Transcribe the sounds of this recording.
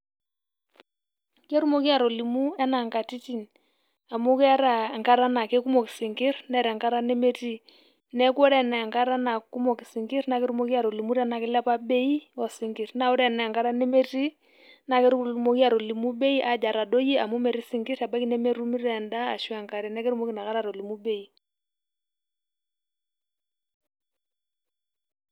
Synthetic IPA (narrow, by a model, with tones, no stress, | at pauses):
ke˦ɾu˦mo˦ki˦a˨ɾɔ˨li˨mu˦ɛ˦na˨ŋka˨ti˦ti˦n | a˨mu˦ka˦ɾa˨ŋka˦ɾa˦na˨ke˦ku˦mɔ˨kɪ˨si˨ŋɡɪ˦rnɛ˦ɾɛ˨ŋka˦ɾa˦ne˦me˦ti˦ | nɛ˦kɔ˦ɾɛ˦˨nɛ˨ŋka˦ɾa˦na˨ku˦mɔ˨ki˨si˨ŋɡɪ˦ɾna˨˦ke˦ɾu˦mo˦ki˦a˨ɾo˨li˨mu˦ɾɛ˦na˨kɪ˦la˦pa˦be˦i˦ɔ˨si˦ŋɡi˨ɾna˨o˦ɾɛ˦˨nɛ˨ŋɡa˦ɾa˦ne˦me˦ti˦ | na˨ke˦ɾu˦mo˦ki˦a˨ɾo˨li˨mu˦ɓe˦i˦ʔa˨d͡ʒa˨ɾa˨do˦ji˦a˨mu˦me˨ɾi˦si˦ŋɡi˦ɾa˨ba˦ki˦nɛ˦me˦ɾu˦mi˦ɾɛ˨nda̰ː˦˨ʃwa˨ŋka˨ɾɛ˨nɛ˦ke˦ɾu˦mo˦ki˨na˨ka˦ɾa˨ɾo˨li˨mu˦be˦i˦